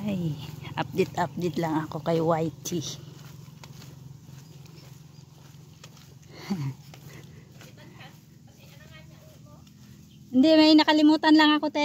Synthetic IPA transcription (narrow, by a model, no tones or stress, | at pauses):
ajʔap̚d̪ɛt̪ʔap̚d̪ɛjt̪laŋɐko̞kajwajt̪i | nd̪ɛmɐjnɐkɐlɪmuːt̪anlaŋɐkot̪a